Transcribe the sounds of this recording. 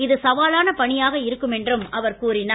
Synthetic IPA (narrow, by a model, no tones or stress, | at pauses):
ɪðɯsɐʋaːlaːnɐpɐɳɪjaːɣɐɪɾɯkːɯmɛndrɯmɐʋɐɾkuːɾɪna